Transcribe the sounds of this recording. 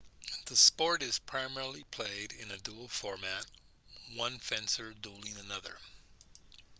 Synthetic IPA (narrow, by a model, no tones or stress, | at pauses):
ðɨspɔɹɾɨz̥pʰɹ̥aɪmɛɹl̩ˠipʰl̥eɪɾɪ̃nɨdul̩ˠfɔɹmæt̚ | wʌ̃nfɛ̃nsə˞dulˠɪ̃ŋɨnʌðə̰˞